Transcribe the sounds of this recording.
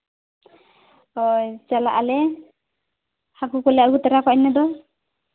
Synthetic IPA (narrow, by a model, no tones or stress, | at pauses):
ɔjt͡ʃala̰ʔalɛ | hakukɔlɛaɡut̪aɾakɔnɛd̪ɔ